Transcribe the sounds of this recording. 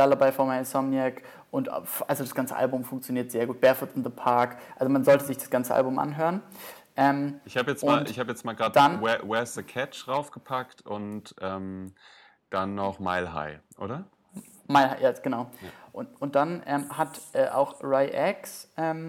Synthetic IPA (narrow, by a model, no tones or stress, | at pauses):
d̥alabaɪfɔɐmaɪsɔmjɛk | ʔʊnta̰fʔalzodasɡ̥ant͡sə̰ʔa̰lbʊmfʊŋkt͡sjoniːɐtz̥eːɐɡuːt̚b̥ɛɐfʊtɪnðəpʰaɐkʔalzomanzɔltəzɪçd̥ḁsɡ̥ant͡səʔa̰lbʊmʔa̰nɦøːʁənʔɛːmɪçhaːbəjɛt͡smaːlɪçhaːbəjɛt͡stmaːlɡaːtdanwɛwɛɐsðəkʰɛt͡ʃʁaʊfɡ̥əpʰaktʔʊntʔɛːm | d̥anːɔχmaɪlɦa̰ɪʔo̰ːɾɐ | maɪlhaɪjaɡ̥ənaʊʔʊnt̚d̥anʔɛːmhatʔɛːʔa̰ʊxʁaɪʔɛksʔɛːm